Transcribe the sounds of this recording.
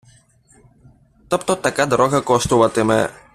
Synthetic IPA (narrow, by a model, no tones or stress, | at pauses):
t̪ɔpt̪ɔt̪akad̪ɾɔɣakɔst̪uvat̪ɛmɛ̰